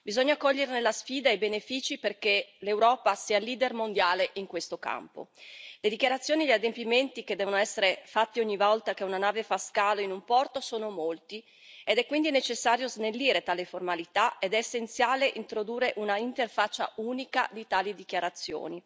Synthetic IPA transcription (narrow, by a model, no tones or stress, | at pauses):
bizoɲːakɔʎːeɾenelːasfiːd̪ajbenefiːt͡ʃiperkelewɾɔːpasiːaliːd̪ermond̪jaːleʔiŋkwest̪oka̰mpo̰led̪ikjaɾat̪sːjoːniʎiad̪empiment̪iked̪ːɛːvonoɛsːeɾefat̪ːioɲːivɔlt̪akeunanaːvefaskaːloinumpɔrt̪osoːnomolt̪i | ed̪ɛkːwind̪inet͡ʃesːaːɾjoznelːiːɾet̪aːleformalit̪aed̪ɛːsːent̪sjaːleʔint̪ɾod̪uːrːeʔunaint̪erfat͡ʃːa̰uːnikad̪it̪aːlid̪ik̟jaɾat̪sːjo̰ːni